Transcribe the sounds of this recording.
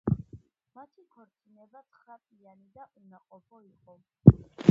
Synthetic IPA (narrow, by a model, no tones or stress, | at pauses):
mat̪ʰikʰɔɾt̪sʰʼinɛbat̪sʰχɾap̪ʼianid̪aʔunaqʼɔpʰɔiqʼɔ